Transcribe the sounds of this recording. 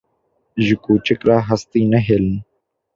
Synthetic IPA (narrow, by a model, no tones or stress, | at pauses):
ʒʊkuːt͡ʃɪkɾaːɦəst̪iːnəɦeːln